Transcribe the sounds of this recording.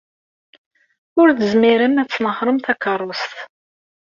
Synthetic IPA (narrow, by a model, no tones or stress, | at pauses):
ʊɾθəzmiɾəmæt͡sːnəhɾˤəmθækːɑrˤːost̪